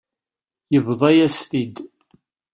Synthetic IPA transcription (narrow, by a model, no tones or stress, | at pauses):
jəvðˤæjæst̪id̪